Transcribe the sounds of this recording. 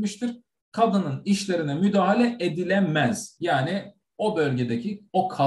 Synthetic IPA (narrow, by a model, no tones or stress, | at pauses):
miʃt̪ʰiɾ̥ | kʰad̪ɯnɯniʃlʲe̞ɾinɛmyd̪aːɦalʲɛʔed̪ilʲɛmæz̥jaːni | o̞bø̞lʲɟe̞d̪ecʰio̞kʰa